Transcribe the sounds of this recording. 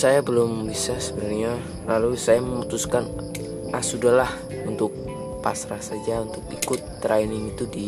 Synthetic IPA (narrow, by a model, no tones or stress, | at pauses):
sajabəlʊmbisasəbənarɲa | lalusajaməmut̪uskan | asudahlah | unt̪ʊk̚ | pa̰sɾasad͡ʒaunt̪ʊkikʊt̪ːɾʔainɪŋit̪udi